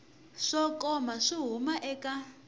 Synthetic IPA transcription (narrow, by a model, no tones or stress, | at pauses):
ʂɔkɔmaʂiɦumaʔɛka